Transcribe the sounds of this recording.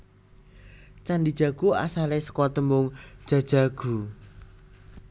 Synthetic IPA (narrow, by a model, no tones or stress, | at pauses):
t͡ʃanɖid̥ʒ̥a̤ɡ̥ua̰salesə̥kɔt̪əmʊŋ̥ʒ̥a̤d̥ʒ̥a̤ɡ̥ṳ